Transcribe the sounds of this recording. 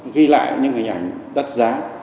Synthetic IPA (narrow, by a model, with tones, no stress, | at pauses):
ɣi˧la̰ː˧˨jɲɨ̰˧ŋhe˨˧˩ŋ̟ʔa˧˩jŋɗə˦˥t̚zaː˨˦